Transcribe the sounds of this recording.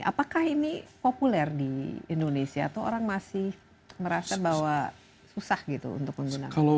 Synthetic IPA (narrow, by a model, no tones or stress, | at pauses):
a̰pakahinipopulɛrdiḭndonesia̰t̪owo̰ɾaŋmasɪh | məɾasabawa | susahɡit̪ṵṵnt̪ʊk̚məŋɡunakalo